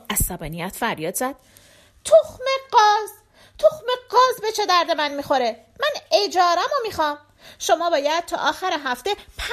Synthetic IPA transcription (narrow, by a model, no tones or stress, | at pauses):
æzːæbɒːnijæt̪ʰfæɾjɒːd̪zæd̪̥ | t̪ʰoxmeɢɒːz | t̪ʰoxmeɡɒːzbet͡ʃʰe̞d̪æɾd̪e̞mænmixo̞ɾe̞ | mæned͡ʒɒːɾæmomiːxɒːm | ʃomɒːbɒːjæd̪̚t̪ʰɒːʔɒːxæɾeɦæft̪e̞pʰ